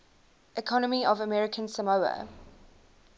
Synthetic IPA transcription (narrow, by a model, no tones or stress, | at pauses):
ʔɪkʰɔnəmiɔvəmɛɹɪkʰə̃nsəmoʊə̰